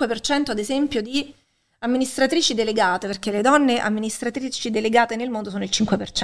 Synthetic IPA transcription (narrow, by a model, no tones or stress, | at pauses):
wepert͡ʃɛnt̪oad̪ezɛmpjod̪i | amːinist̪ɾat̪ɾiːt͡ʃid̪eleɡaːt̪eperk̟eled̪ɔnːeʔa̰mːinist̪ɾat̪ɾiːt͡ʃid̪eleɡaːt̪enelmond̪osoːnoilt͡ʃiŋkwepert͡ʃ